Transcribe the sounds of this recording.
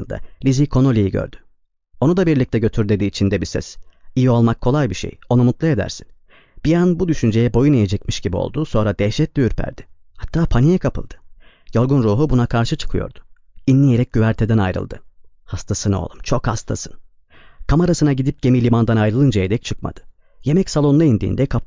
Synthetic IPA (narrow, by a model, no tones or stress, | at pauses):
ɯnd̪a̰lʲizikʰo̞no̞lʲijiɟø̰ɾd̪̥y̥ | o̞nud̪abiɾlʲic̚t̪ʰɛɟø̞t̪ʰyɾd̪e̞d̪iːt͡ʃʰind̪ɛbisɛ̰sijio̞lˠmakʰːo̞lˠajbiʃḛjo̞numut̪lˠae̞d̪æ̰ɾsin | b̥ijanbud̪yʃynd͡ʒe̞jɛbo̞junijed͡ʒɛc̚miʃɟibio̞̰lˠd̪uso̞nɾad̪ɛʃɛt̪lʲiyɾpʰæ̰ɾd̪̥ɪ̥ | hat̪ʰːaːpʰanijɛkʰapʰɯ̰lˠd̪̥ɯ̥ | jo̞ɾɡunɾuːɦubunakʰaɾʃɯt͡ʃʰɯ̥kʰɯjo̞̰ɾd̪̥ʊ̥ | inːʲijeɾɛc̚ɟyvæɾt̪ʰɛd̪æna̰jɾɯ̰lˠd̪ɯ̰hast̪ʰasɯno̰lˠumt͡ʃʰo̞khast̪ʰa̰sɯn | kʰamaɾasɯnaɟid̪ip̚ɟ̥e̞milʲimand̪anajɾɯlˠɯnd͡ʒajed̪ɛc̚t͡ʃʰɯkma̰d̪̥ɯ̥ | je̞mɛcsalˠo̞nlˠaind̪ḭːnd̪ɛkʰap